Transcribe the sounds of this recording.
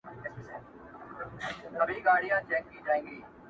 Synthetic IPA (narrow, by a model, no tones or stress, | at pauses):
səbiːɡaːɽɪjãːt͡ʃɛːkːĩːʈaːĩːŋɡiː